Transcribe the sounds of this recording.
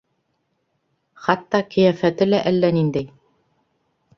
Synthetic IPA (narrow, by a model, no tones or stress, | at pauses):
χɑt̪ːɑkɘ̆jæfæt̪ɘlæʔælːænind̪æj